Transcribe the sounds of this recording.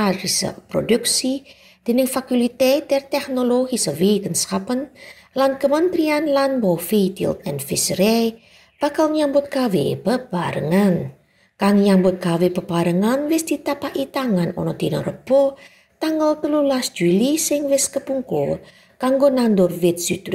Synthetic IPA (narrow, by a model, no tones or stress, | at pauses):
aɾisə̰pɾo̰duk̚si | d̪̥ənɪŋfakulit̪et̪ɛrt̪ɛknoloɡisəwikənskapən | lankəmənt̪ɾianlanbɔfit̪ḭlt̪ɛ̰nfɪsɾe | b̥akalŋɲambʊt̪̚kawḛpəbaɾə̰ŋan | kaŋjambʊt̪̚kawepəbaɾəŋanwɪsd̪̥it̪apaʔit̪aŋanɔ̰nɔd̪̥inɔ̰rəb̥ɔ | t̪aŋɡəlt̪əlulasd͡ʒulisɪŋwɪskəpuŋko̰ | kaŋɡonand̪ɔrwɪt̪̚sut̪ɾ